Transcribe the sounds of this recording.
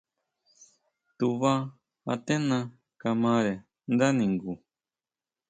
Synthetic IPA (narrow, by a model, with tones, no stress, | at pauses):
t̪u˨βa˦ | a̰˧t̪e˦nã˧ | ka˧mã˧ɾe˨ | nd̪a˦nĩ˨ŋɡu˨